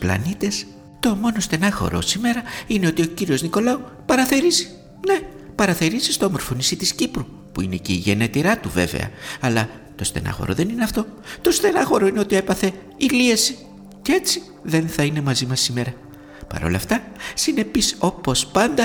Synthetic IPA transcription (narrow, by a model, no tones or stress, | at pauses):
splɐ̰nit̪e̞s | t̪o̞mo̞no̞st̪e̞nɐxo̞̰ɾo̞̰sime̞ɾɐine̞o̞t̪io̞ciɾio̞zniko̞lɐu | pɐɾɐθe̞ɾizi̥ | ne̞pɐɾɐθe̞ɾizist̪oɐmo̞ɾfo̞nisit̪iscipɾu | puine̞ceiʝe̞net̪iɾɐt̪uve̞vḛɐ̰ɐlɐ | t̪o̞st̪e̞̰nɐ̰xo̞̰ɾo̞̰ðe̞nineɐft̪o̞t̪o̞st̪e̞nɐxo̞ɾo̞ine̞o̞t̪ie̞pɐθe̞ | iliesi | cee̞t͡si | ðe̞nθɐine̞mɐzimɐsime̞ɾɐ | pɐ̰ɾo̞̰lɐ̰ft̪ɐ | sine̞piso̞po̞spɐnd̪ɐ